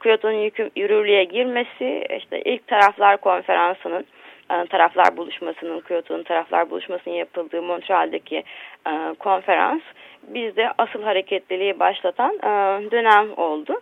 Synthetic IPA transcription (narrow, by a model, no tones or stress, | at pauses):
kʰujo̞t̪ʰonunjyjyɾyɾlʲyjɛɟiɾmesɪḭʃt̪ʰɛ̰ʔḭlʲc̚t̪ʰaɾaflˠaɾkʰo̞nfe̞ɾansɯnɯnːt̪ʰaɾaflˠa̰ɾbulˠuʃmasɯnɯnkʰujo̞t̪ʰonunt̪ʰaɾaflˠa̰ɾbṵlˠuʃmasɯnɯnjapɯlˠd̪ɯːmo̞nt̪ʰɾalʲd̪acʰiː | kʰo̞nfe̞ɾa̰nsbizd̪ɛʔasɯlˠɦaɾe̞cʰɛt̪lʲilʲijibaʃlˠat̪ʰanːd̪ø̞næmo̞lˠd̪ʊ